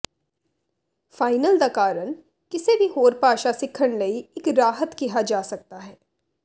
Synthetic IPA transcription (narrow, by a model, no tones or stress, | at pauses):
faːɪnəld̪akaːɾəñ | kɪsebʱiɦoːɾpaːʃasɪkʰəɽ̃lɐiɪkɾaːɦət̪kiɦad͡ʒaːsɐk̚t̪aɦɛː